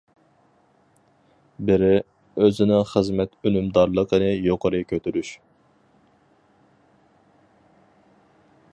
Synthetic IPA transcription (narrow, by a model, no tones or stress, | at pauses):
bɪɾɪ | øzɪnɪχəzmɛt̪ʰønymd̪ɑɾlˠəqənɨjoqʰəɾɨkʲʰøt̪ʰyɾyʃ